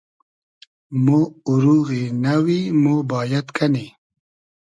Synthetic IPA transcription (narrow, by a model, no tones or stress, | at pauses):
moʊɾuːɣinawimoːbɑːjat̪kʰani